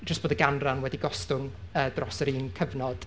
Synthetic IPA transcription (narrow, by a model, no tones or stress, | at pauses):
d͡ʒəstb̥oːdəɡanranwɛdiɡɔstʊnəːdrɔsəɾiːnkʰəvnɔd̥